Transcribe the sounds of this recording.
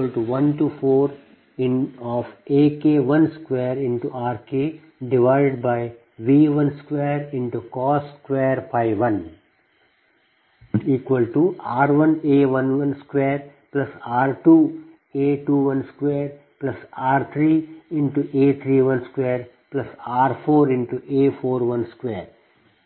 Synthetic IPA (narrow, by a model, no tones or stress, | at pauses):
əlʈuʋɐ̃nʈuːfoːɾ | ɪ̃nɔːfeːkeːʋɐ̃nskʋeːɾɪ̃ɳʈuaːɾkeː | ɖɪʋaɪɖɪɖ̚baɪ | ʋiːʋʌ̃nskʋeːɾɪ̃ɳʈukɔːskeːəɾpʰaɪʋʋɐ̃n | iːkʋəlʈuaːɾʋɐ̃neːʋɐ̃nʋɐ̃nskʋeːɾ | plɐsaːɾʈuː | eːʈuːʋɐ̃nskʋeːɾ | plɐsaːɾt̪ʰɾiːɪ̃ɳʈuʔeːt̪ʰɾiːʋɐ̃nskʋeːɾ | plɐsaːɾfoːɾɪ̃ɳʈuʔeːfoːɾʋɐ̃nskʋeːɾ